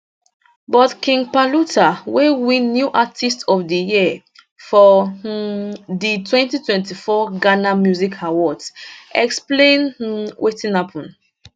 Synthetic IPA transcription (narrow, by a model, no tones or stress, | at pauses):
bɔtkĩŋɡpalutʰawewĩnːjuʔatistɔfdiji | fɔ | ditwɛ̃ntitwɛ̃ntifɔɡanamjuzikʰawɔtsɛksplẽnwʔetĩnhapʰɔ̃n